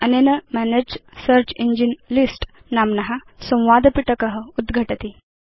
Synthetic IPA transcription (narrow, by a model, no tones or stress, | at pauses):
ənenəmæned͡ʑsəɾt͡ɕiɲd͡ʑinlisʈ | namnaɦasə̃w̃ʋad̪piʈəkəɦəud̪ɡʱəʈət̪i